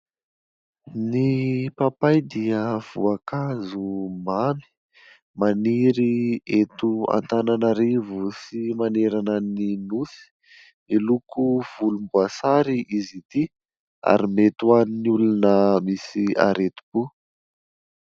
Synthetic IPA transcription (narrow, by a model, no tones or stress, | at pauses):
nipapajd̪iəv̥uakazumami̥ | maniɾiet̪ua̰nt̪ananaɾivusimaneɾanəninusi̥ | nilukuv̥ulumbuasaɾiʔizit̪i | a̰ɾimet̪uaninulunəmisia̰ɾet̪u̥bu